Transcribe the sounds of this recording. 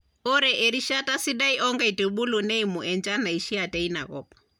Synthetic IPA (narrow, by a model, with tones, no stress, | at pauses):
ɔ˦ɾɛʔɛɾi˦ʃatasi˦ɗa˦iʔɔŋɡa˦i˨tu˨ɓu˦lu˨nɛ˦imu˨ʔɛnd͡ʒa˦na˨i˨ʃi˦a˨tɛ˦ina̰˨ɣɔ̰pḁ